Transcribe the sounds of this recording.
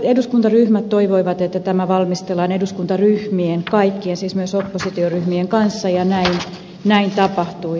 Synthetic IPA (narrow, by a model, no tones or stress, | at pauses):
eduskunt̪ɑryhmæt̪toiʋoiʋɑt̪et̪ːæt̪æmæʋɑlmist̪elːˑɑːneduskunt̪ɑryhmienkɑikːiensiːsmyøsopːosit̪ioryhmieŋkɑnsːɑjɑnæin | næint̪ɑpɑht̪ui